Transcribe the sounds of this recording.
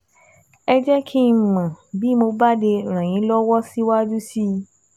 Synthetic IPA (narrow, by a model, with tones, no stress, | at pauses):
ɛ˧d͡ʒɛ˦kʰi˦˧˨mã˨bi˦mo˧ba˦de˧˨ɾ̃ã˨j̃ĩ˨˦lɔ˦wɔ˦si˦wa˦d͡ʒu˦si˦˧